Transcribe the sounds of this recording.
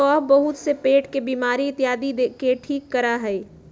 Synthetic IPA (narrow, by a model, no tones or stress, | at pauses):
ɔːbɐɦʊt̪sepeːʈkebiːmaːɾiɪt̪jaːd̪id̪ekeʈʰiːkːɐɾaɦɛː